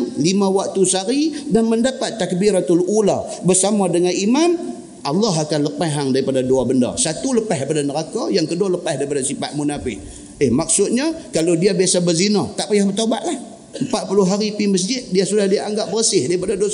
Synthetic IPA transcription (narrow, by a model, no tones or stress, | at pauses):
ŋlimawak̚t̪usaɾidanməndapat̪ːak̚biɾat̪alula̰ | bərsamadəŋanimam | ʔɑlːɑɦakanləpaɦaŋdaɾipadaduabənda̰sat̪uləpahdipadanəɾakajaŋkədualəpahdaɾipadasipaʔ̪̚munafɪʔ | ehmak̚sʊt̪̚ɲakalodiabiasabərzinat̪aʔpajahbərt̪oba̰ʔ̪lah | əmpat̪̚pulʊɦaɾipiməs̬d͡ʒɪt̪̚diasudahdiaʔaŋɡaʔ̚bərəsɪhdaɾipadadua